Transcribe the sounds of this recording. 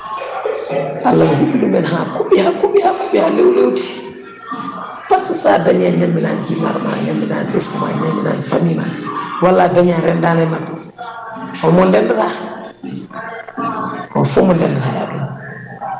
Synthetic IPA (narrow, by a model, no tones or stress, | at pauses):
ʔalːamɔhuɓdumɛnɦakuɓihakuɓihakuɓihalewlewti̥ | paɾtisaːdaɲaɲamːina̰ːnd͡ʒima̰ɾma̰ɲamːina̰ːnbɛskuma̰ɲamːina̰nfamima̰ɾwalːadaɲaɾɛndanɛna | hɔmɔndɛndɛta | ɔ̰nfumɔndɛndɛtaja̰dun